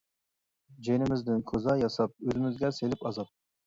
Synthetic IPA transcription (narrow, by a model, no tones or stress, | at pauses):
d͡ʒenɪmɪzd̪ɪnkʲʰozɑjɑsɑp̚øzɪmɪzɡʲɛselɪpɑzɑp̚